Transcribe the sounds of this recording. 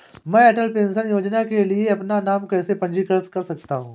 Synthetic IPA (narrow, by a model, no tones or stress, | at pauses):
mɛ̃ːɛːʈəlpẽːnsənjoːd͡ʒnakelieɐpnanaːmkɛːsepɐ̃nd͡ʒikɐɾət͡skɐɾsɐk̚t̪aɦũː